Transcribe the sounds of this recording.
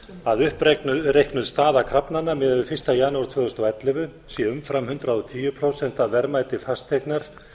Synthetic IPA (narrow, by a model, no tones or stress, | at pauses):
aðʏhprerejhknʏðst̪aːðakʰɾapnanːamɛːðvɪfɪrst̪ajaːnaːwɾ̥t̪ʰvœːðʏst̪ɔɛt̪lɪvʏ | sjɛʏmfɾamhʏnt̪ɾaɔt̪ʰiːjʏpʰɾowsɛnt̪avɛɾmaːjt̪ɪfast̪ʰeknaɾ̥